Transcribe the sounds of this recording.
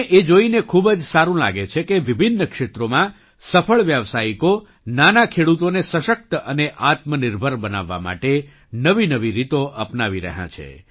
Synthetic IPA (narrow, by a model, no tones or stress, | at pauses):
ʔed͡ʒoinekʰubd͡ʒsaɾũla̰ɡet͡ʃʰekeʋibʱinːəkʃet̪ɾomã | səfʰəɭʋjaʋsaiko | nanakʰeɽut̪onesəʃək̚t̪əneʔat̪mənɪɾbʱəɾbəna̰ʋːa̰ma̰ʈe | nəʋinəʋiɾit̪oʔəpnaʋiɾə̰ɦã̰t͡ʃʰḛ